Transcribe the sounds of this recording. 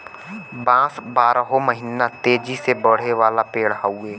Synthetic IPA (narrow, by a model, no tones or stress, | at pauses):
bãːsbaːɾəɦoməɦɪnat̪eːd͡ʒisebəɽ̤eʋaːlapeːɽɦaːueː